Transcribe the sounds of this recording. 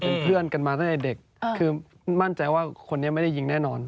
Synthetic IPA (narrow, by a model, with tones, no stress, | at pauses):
pe˧npʰɯ˥˩ənka˧nmaː˧t̪a˥˩t̪ɛ˨˩de˨˩k̚ʰː | ɯː˧ | ma˥˩nt͡ɕa˧jwaː˥˩kʰo˧nːi˦˥ɐma˥˩da˥˩ji˧ŋnɛː˥˩nɔː˧n